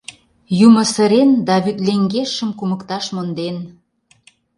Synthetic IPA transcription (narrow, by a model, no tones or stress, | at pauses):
jumə̆sə̆ɾend̪ɑβyt̪leŋɡeʃə̆mkuməkt̪ɑʃmond̪en